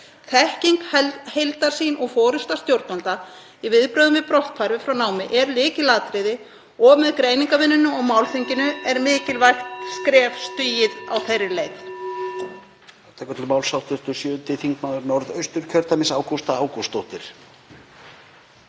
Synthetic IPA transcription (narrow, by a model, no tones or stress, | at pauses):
θɛhciŋkɛhejlt̪aɾ̥siːnʔɔɣfɔːɾʏst̪ḁst̪jowɾt̪nant̪a | ivɪðpɾœːðʏmvɪpɾɔht̪̚pʰaɾvɪfɾawnaːwmɪʔɛɾlɪːcɪlaːt̪ɾɪðɪ | ɔɣmɛðkɾeːjniŋkavɪnːʏnːʏɔɣmaːwlθiɲcɪnʏɛɾmɪːcɪlvajxt̪skɾɛːvst̪yːjɪða̰wθejrːɪlejt̪ | ɛt̪aɛkœt̪lɪlmaːwlsawht̪ʏ̥t̪ʏsjœːʏnt̪ɪθiŋkmaðʏɾnɔɾðœɥst̪ʏɾ̥cʰœɾt̪amɪsaːwkust̪aaːwkust̪owht̪ɪɾ̥